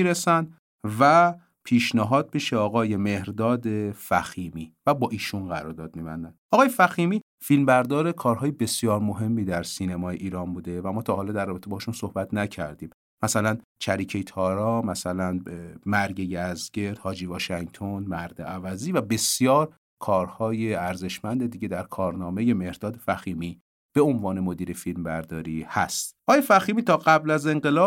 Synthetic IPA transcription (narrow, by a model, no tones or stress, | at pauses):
iɾesænd̪ | væ | pʰiːʃnæɦɒːd̪̚beʃeɒːɣɒːjeme̞hɾd̪ɒːd̪e̞fæxiːmiːvæbɒːʔiːʃunɡæɾɔːɾd̪ɒːd̪̚miːbænd̪ænʔɒːɣɒːjefæximiː | filmbæɾd̪ɒːɾe̞kʰɒːɾɦɒːjebe̞sjɒːɾmo̞ɦe̞mːiːd̪æɾsiːnemɒːjḛʔiːɾɒːnbuːd̪evæmɒːt̪ʰɒːɦːlɒd̪ærːɒːbe̞t̪ʰebɒːhʃunsohbæt̪ʰnæcʰæ̰ɾd̪iːm | mæsælænt͡ʃʰæɾiːcʰejt̪ʰɒːɾɒmæsælænmæɾɟejæzɡe̞ɾd̪̥hɒːd͡ʒiːvɒːʃæŋt̪ʰonmæɾd̪eʔævæziːvæbe̞sjɒːɾ | kʰɒːɾhɒːjeæɾze̞ʃmænd̪ed̪iːɟe̞d̪æɾkʰɒːɾnɒːme̞je̞me̞ɾd̪ɒːd̪efæxiːmiː | b̥e̞o̞nvɒːnemod̪iːɾe̞filmbæɾd̪ɒːɾiːhæst̪ʔɒːjefæxiːmiːt̪ʰɒːɢæblæze̞ŋɢe̞lɒːb